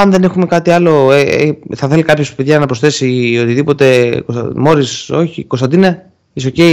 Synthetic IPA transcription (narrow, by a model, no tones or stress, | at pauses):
ɐnðe̞ne̞xume̞kɐt̪iɐlo̞eθɐθe̞likɐpço̞speðʝɐnɐpɾosθe̞sio̞t̪iðipo̞t̪e̞komo̞ɾiso̞çiko̞st̪ɐnd̪inɐ | iso̞cei